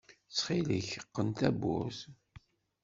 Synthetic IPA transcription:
t͡sːχilə̰çəqːənt̪æbːṵs

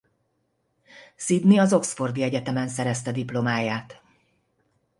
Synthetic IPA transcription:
sid̪niɒzo̞ksfo̞rd̪iɛɟɛt̪ɛmɛnsɛɾɛst̪ɛd̪iplo̞maːjaːt̪

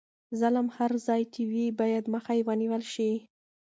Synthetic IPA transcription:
zalamhaɾzɑjt͡ʃɪwibɑjad̪məxajewəniwəlʃi

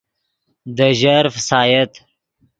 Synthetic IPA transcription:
d̪əʒaɾfəsɑːjət̪

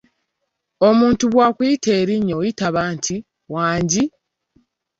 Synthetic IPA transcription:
o̞muːntuβwaːkwiːtʰeːɾiɲːojitaβaːntʰi | waːɲɟi

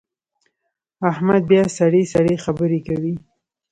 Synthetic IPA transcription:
ahmad̪̚bjɑsaɽesaɽexabəɾekawi

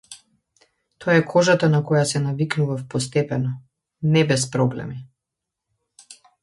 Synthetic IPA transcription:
t̪ɔaɛkʰɔʒat̪anakɔjasɛnaviknuvafpɔst̪ɛpɛnɔ | nɛbɛspɾɔblɛ̰mi

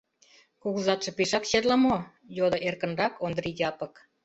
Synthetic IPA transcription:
kuɣuzɑt̪ʃɤ̆piʃɑkɕet̪lɑmo | jod̪ŏʔerkə̆nrɑkond̪ɾijɑpə̆k

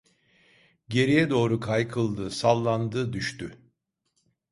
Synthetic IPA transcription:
ɟe̞ɾijɛd̪o̞ːɾukʰajkʰɯlˠd̪ɯsalˠːand̪ɯːd̪yʃt̪y

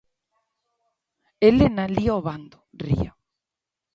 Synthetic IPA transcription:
elenalioβand̪orḭo̰

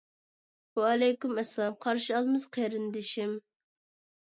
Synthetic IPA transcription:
wɛlɛjkʲymɛslˠɑmqʰɑɾʃiɑlˠmɨz̥qʰeɾɪnd̪ɪʃim

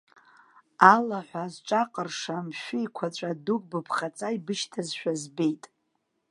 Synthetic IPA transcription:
alaħʷazʈ͡ʂʼaqʼərʂamʃᶣʷʊikʷʰat͡ɕʷʼaduk̚ʼbɨpʰχat͡sʼaibɨʃtʰazʃᶣazbe̞jtʼ

